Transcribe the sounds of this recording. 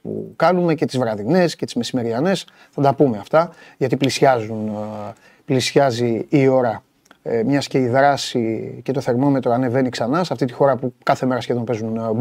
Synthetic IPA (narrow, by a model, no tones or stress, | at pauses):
pṵkɐnume̞ce̞t̪izvɾɐðine̞sce̞t̪izme̞sime̞ɾiɐne̞s | θɐd̪ɐpumeɐft̪ɐʝɐt̪iplisɐzun | plisçɐziːo̞ɾɐ | mɲɐsce̞iðɾɐsice̞t̪o̞θe̞ɾmo̞me̞t̪ɾoɐne̞ve̞niksɐnɐsɐft̪it̪ixo̞ɾɐpukɐθe̞me̞ɾɐsçeðo̞npe̞zun